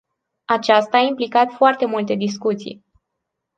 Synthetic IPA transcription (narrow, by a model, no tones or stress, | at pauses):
at͡ʃast̪aːimplikat̪foart̪e̞mult̪e̞d̪is̬kut̪sḭj